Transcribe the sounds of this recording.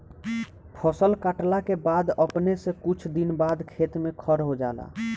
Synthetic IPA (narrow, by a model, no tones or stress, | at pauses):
pʰəsəlkaʈlakebaːd̪əpnesekut͡ʃʰd̪inbad̪kʰeːt̪mẽkʰəɾɦod͡ʒaːla̰